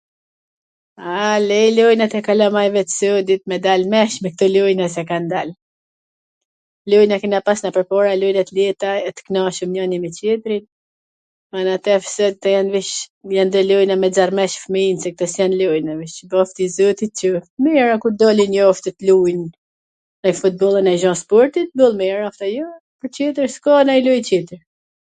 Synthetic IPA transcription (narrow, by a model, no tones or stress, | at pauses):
alɛjlujnat̪ɛkalɔmajvɛt̪sɔd̪it̪̚mɛd̪almɛʃmɛk̚t̪ɔlujnasɛkand̪al | lujnakinapasnapɛɾpɔɾalujnat̪lɛt̪aɛt̪ə̥knɔʃumɲɔnimɛt͡ɕɛt̪ɾin | manat̪ɛfə̥sɔd̪it̪ɛjanviʃjand̪ɛlujnamɛd͡zarmɛʃfminsɛk̚t̪əsjɛnlujnaviʃbɔft̪izɔt̪it̪t͡ʃəfmiɾakuɾd̪ɔlinjɔft̪ət̪lujn | najfut̪̚bɔlˠənaʒɔ̃spɔɾt̪it̪̚bulˠmiɾaft̪ajɔ | pəɾt͡ɕɛt̪̬əɾskɔnajlujt͡ɕɛt̪əɾ